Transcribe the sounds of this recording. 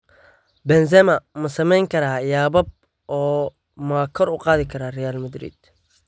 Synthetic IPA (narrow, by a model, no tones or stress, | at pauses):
bɛns̬ɛmɐmɐsɐmɛjŋkʰɐɾaːjaːbɐb̚ | ʔɔː | maːkʰɔɾʊqɑːðɪkʰɐɾaːrɛjaːlmɐd̪ɾḭːd̪̥